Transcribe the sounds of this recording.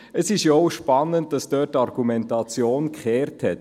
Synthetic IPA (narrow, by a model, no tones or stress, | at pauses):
əsɪʃjɔʊʃpɑnːənt̚d̥ɑsd̥øːt̚ːɑrɡ̥umɛntɑt͡sjoːnkχɛːɾthɛt̚